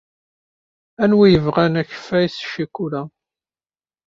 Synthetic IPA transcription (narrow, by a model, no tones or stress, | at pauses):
ænwijəvʁænæçə̥fæjsʃikːuɾæ